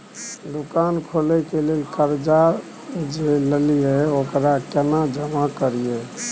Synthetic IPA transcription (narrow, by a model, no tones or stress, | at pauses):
d̪ukankʰolɛkelelkəɾd͡ʒa | d͡ʒeləlijɛokɾakenad͡ʒəmakəɾijɛ